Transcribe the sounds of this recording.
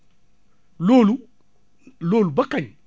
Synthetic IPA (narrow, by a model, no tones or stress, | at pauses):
lolu | lolubakaɲ